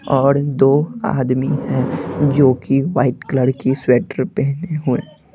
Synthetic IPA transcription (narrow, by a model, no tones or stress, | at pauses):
ɔːɾd̪oːa̰ːd̪miɦɛ̃d͡ʒoːkiʋaːɪʈkləɽkisweːʈəɾpɛɦneɦʊḛː